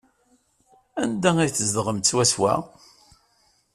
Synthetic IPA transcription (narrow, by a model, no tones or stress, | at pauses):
ænd̪æŋæjθəzd̪ʁəmt̪t͡sːwæswæ̰